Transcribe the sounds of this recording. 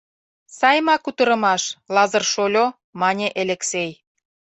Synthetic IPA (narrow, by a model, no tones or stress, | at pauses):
sɑjmɑkut̪ə̆ɾə̆mɑʃlɑzɤ̆rʃolʲo | mɑnʲeʔeleksej